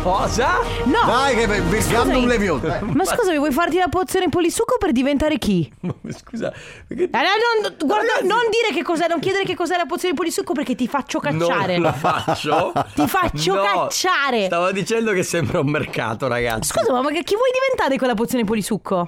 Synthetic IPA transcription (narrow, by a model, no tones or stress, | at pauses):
kɔːzanɔsajkemisɡanalemjot̪emaskuːzavivwɔjfart̪ilapot̪sːjoːnepolisukːoperd̪ivent̪aːɾekiskuːza̰ | perkeaɔnonɡward̪anond̪iːɾekekːɔzɛnoŋkjɛːd̪eɾekekːɔzɛlap̬ot̪sjonep̬olisukːop̬erkːet̪ːifat͡ʃːokanːaːɾelfat͡ʃːot̪ifat͡ʃːokat͡ʃːaːɾest̪aːvad̪it͡ʃɛnd̪okesːɛmbɾaumːerka̰ːt̪oɾa̰ɡa̰skuːzamamːaɡak̟ivːwɔjd̪ivent̪aːɾekwelːap̬ot̪sjoːnep̬olisukʰːo